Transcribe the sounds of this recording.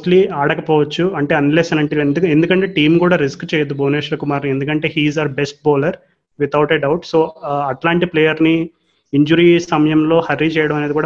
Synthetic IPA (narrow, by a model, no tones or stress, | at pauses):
ʈliaːɽɐkɐpɔːʋɐt͡ʃːuɐɳʈe̞ːɐnleːsɐnɐɳʈiend̪uend̪ukɐɳʈe̞ːʈiːmkuːɽaːɾiskt͡ʃeːjɐd̪uboːneːʃlɐkumaːɾnɐe̞nd̪ukɐɳʈe̞ːɦiːzɐɾbesʈ̚bɔːlɐɾ | ʋit̪ʰɐwʈeɖɐwʈsoːɐʈlaːɳʈipleːjɐɾni | iɲd͡ʒuɾisɐmɐjɐmlo̞ːhɐrːit͡ʃɛːjɐɽɐmɐne̞ːd̪ikuːɽa